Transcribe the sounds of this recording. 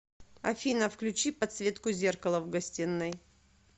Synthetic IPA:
ɐ̰fʲinəfklʲʉt͡ɕipɐt̪svʲe̞t̪kʊzʲerkəlˠəvɡɐsʲtʲinːɨj

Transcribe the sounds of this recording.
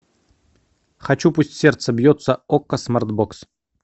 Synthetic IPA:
χɐt͡ɕupusʲtʲsʲe̞rt̪səbjot̪səokːəsmart̪boks

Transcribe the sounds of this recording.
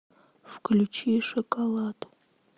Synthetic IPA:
fklʲut͡ʃiʂɔkɐlˠat̪

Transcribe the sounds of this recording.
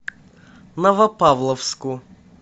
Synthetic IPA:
nɐvɐpavlˠəfskʊ

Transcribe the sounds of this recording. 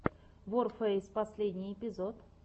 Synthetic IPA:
vorfɛsʲpɐsʲlʲedʲnʲɪjɪpʲɪzot̪

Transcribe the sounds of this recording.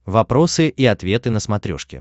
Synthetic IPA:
vɐpɾo̞sɨʔiɐt̪vʲe̞t̪ɨnəsmɐt̪ɾʲo̰ʂkʲɪ̰

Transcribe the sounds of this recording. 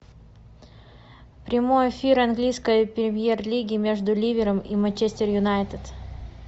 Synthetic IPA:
pɾʲɪmo̞jɪfʲiɾɐnɡlʲijskəjəpʲɾʲɪmʲjerlʲiɡʲɪːmʲe̞ʐd̪ʊlʲivʲɪɾəmimɐnʲt͡ɕesʲt̪ʲɪrjʊnajt̪ət̪

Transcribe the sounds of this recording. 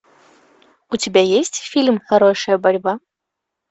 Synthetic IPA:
ut͡sʲabʲajesʲtʲfʲilʲmxɐɾɔʂɐjɐbɐɾʲba

